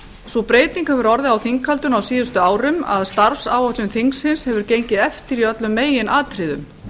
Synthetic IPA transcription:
sɔpɾeːjt̪iŋkhɛvʏɾɔɾðɪawθiŋkʰalt̪ʏnawsiːðʏst̪ʏaːwɾʏma̰ðst̪aɾfsaːwɔht̪lʏmθiŋksɪnshɛvʏɾcejɲcɪðɛft̪ɪɾiœt̪lʏmːeːjɪnʔaːt̪ʰɾɪðʏm

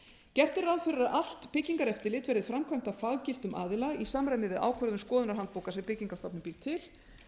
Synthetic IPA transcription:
cɛr̥t̪ɪraːðfʏɾʏɾaʔal̥t̪pɪcːiŋkaɾɛft̪ɪlɪːt̪vɛɾðɪ̥fɾamkʰvajm̥t̪afaːɣcɪl̥t̪ʏmʔa̰ːðɪlaisamɾajnɪvɪða̰ːwkʰvœɾʏðʏmskɔːðʏnaɾ̥ɦant̪̚poːwkasɛmpɪciŋkast̪apnɪmpiɾt̪ʰɪl

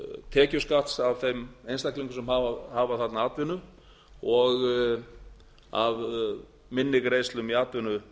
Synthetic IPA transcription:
t̪ʰɛːcʏskaht̪savθejmejnst̪ahkliŋkʏsɛmhaahaːvaθat̪naaːt̪vɪnʏ | ɔɣ | a̰v | mɪnːɪɣɾeːjst̪lʏmiaːt̪vɪnːʏ

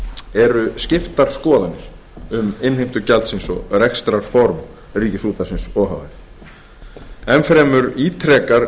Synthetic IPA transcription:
ɛɾʏscɪft̪aɾ̥skɔːðanːɪɾ̥ | ʏmɪnhɪjm̥t̪ʏcalt̪sɪnsɔ̰ɣrɛkst̪ɾaɾ̥fɔɾm | riːcɪsuːt̪asɪnsɔːɦa̰wvɪθ | ɛmfɾɛːmʏɾiːt̪ʰɾɛːkaɾ

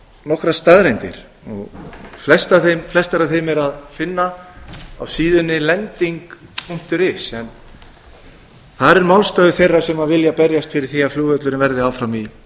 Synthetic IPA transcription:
nɔhkɾast̪aðɾejnt̪ɪ̰ɾ̥ | ɔ̰ɣflɛst̪aθemflɛst̪aɾaθejmɛɾaðfɪnːa | a̰wsiːðʏnːɪlɛnt̪iŋkpʰum̥t̪ʏɾɪsɛn | θaɾɛɾmawlst̪œːðʏθejrːasɛmavɪljapɛɾjast̪fɪɾɪɾ̥θiːafluːɣœt̪lʏɾɪvɛɾðɪawfɾami

